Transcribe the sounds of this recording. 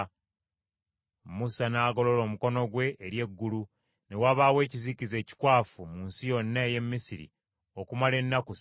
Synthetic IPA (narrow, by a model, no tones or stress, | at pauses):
musanaːɡo̞lo̞lo̞ːmuko̞no̞ɡwe̞ːɾje̞ɡːulu | ne̞waβaːwe̞ːcizicize̞ːci̥kwaːfumuːnsijo̞nːaeje̞mːisiɾḭ | o̞kumale̞nːakus